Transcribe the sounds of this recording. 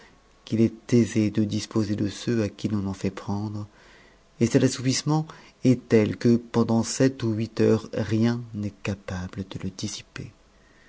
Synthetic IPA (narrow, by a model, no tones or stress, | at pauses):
kilɛt̪ezed̪əd̪ispozed̪əsøakʲilɔ̃nɑ̃fɛpχɑ̃d̪ʁ | esət̪asupismɑ̃ | ɛt̪ɛlkəpɑ̃d̪ɑ̃sɛt̪uɥit̪œʁʁjɛ̃nɛkapabləd̪̥ələd̪isi̥pe